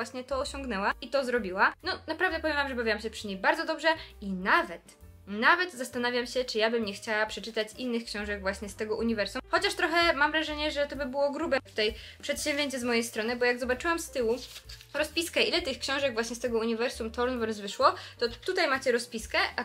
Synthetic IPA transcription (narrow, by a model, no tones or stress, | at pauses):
waɕɲɛt̪ɔːɕɔ̃ŋɡnɛwait̪ɔzɾɔbʲiwanɔnapɾavd̪ɛpɔvʲjɛmvamʐɛbavʲawamɕɛpʂɘɲejbaɾdzɔd̪ɔbʐɛinavɛt̪ | navɛt̪zast̪anavʲjamɕɛt͡ʂɘjabɘmɲɛxt͡ɕawapʂɛt͡ʂɘt̪at͡ɕinːɘxkɕɔ̃w̃ʐɛɡvwaɕɲɛst̪ɛɡɔʔuɲivɛɾsumxɔt͡ɕaʂt̪ɾɔxɛmamɾaʐɛɲɛʐɛt̪ɔbɘbɘwɔɡɾubɛt̪u̥t̪ajpʂɛt̪ɕɛ̃vʑeɲt͡ɕɛzmɔjejst̪ɾɔnɘbɔjaɡzɔbat͡ʂɘwamst̪ɘwu | ɾɔspʲiskɛʔilɛt̪ɘxkɕɔ̃w̃ʐɛɡvwaɕɲɛst̪ɛɡɔuɲivɛɾsumt̪ɔɾnvɔɾzvɘʂwɔt̪ɔt̪ut̪ajmat͡ɕɛɾɔspʲiskɛʔa